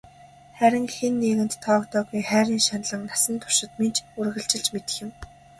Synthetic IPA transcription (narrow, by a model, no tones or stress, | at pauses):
χæɾʲɪ̆ŋxenːiːɣɘ̆nt̪ʰːɔːkt̪ʰɔːɣujχæːɾʲiːnʃanɮə̆ŋnasə̆nt̪ʰʊ̥r̥ʃɪ̆t̪ment͡ɕurɣə̆ɬt͡ɕɪ̆ɬt͡ɕmet̪ɘ̆xʲɪ̆m